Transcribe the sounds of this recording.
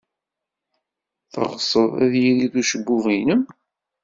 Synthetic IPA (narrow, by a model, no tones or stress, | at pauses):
θə̰ʁsˤəðˤæ̰ðjiliθuʃəbːuvinəm